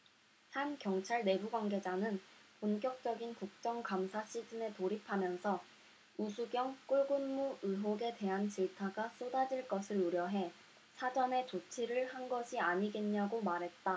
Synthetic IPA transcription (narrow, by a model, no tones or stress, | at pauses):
hankjʌŋt͡ɕʰaɭne̞buɡwaŋɡe̞d͡ʑanɯnponk͈jʌk̚t͡ɕ͈ʌɡinkuk̚t͡ɕ͈ʌŋkamsʰaɕ͈ʰid͡ʑɯne̞toɾipʰamjʌnsʰʌ | usʰuɡjʌŋk͈uɭɡunmuɯɦoɡe̞te̞ɦant͡ɕiɭtʰaɡas͈odad͡ʑiɭk͈ʌsʰɯɾuɾjʌɦe̞ | sʰad͡ʑʌne̞t͡ɕot͡ɕʰiɾɯɭhanɡʌɕʰiaɲiɡenɲaɡomaɾɦe̞t̚t͈a